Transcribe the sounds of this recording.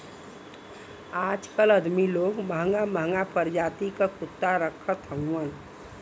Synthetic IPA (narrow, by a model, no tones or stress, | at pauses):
ad͡ʒkələd̪miloɡməɦəŋɡaməɦŋɡapʰəɾd͡ʒat̪ikəkut̪ːaɾəkʰət̪ɦəuən